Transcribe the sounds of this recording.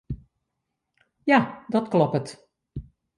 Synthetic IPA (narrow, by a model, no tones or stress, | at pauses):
jadɔtklɔpət